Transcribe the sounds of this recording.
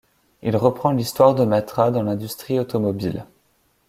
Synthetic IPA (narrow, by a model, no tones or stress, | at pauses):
ilʁəpχɑ̃list̪waʁd̪əmat̪χad̪ɑ̃lɛ̃d̪yst̪χiot̪ɔmɔbil